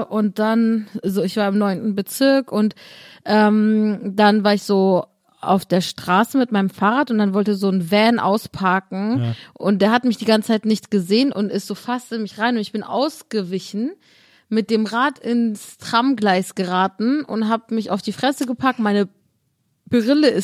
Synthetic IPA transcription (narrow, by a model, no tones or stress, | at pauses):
ʔʊnt̚d̥anazoːɪçv̥aːɐɪmnɔʏntn̩bət͡sɪɐkʊntʔɛːmd̥anvaːɐɪçz̥oː | ʔa̰ʊfd̥eːɐʃtʁ̥aːsəmɪtmaɪnəmfaːʁaːtʊntd̥anvɔltəzoːnvɛːnʔa̰ʊspʰaːkŋ̩ʔʊnt̚d̥eːɐɦatəmɪçd̥iːɡant͡sə̥t͡sʰaɪtnɪçtɡ̥əzeːənʔʊntɪstz̥oːfastəmɪçʁaɪnʊntɪçb̥ɪnʔa̰ʊsɡ̥əvɪçn̩ | mɪt̚d̥eːmʁaːtɪnstʁ̥amɡlaɪsɡ̥əʁaːtn̩ʊ̰ntɦaːbəmɪça̰ʊfd̥iːfʁ̥ɛsəɡəpʰak̚tmaɪnə | b̥əʁɪləɪ